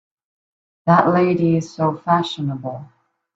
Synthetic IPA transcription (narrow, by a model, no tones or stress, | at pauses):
ðəʔleɪɾiɪz̥soʊfæʃɨnəbl̩ˠ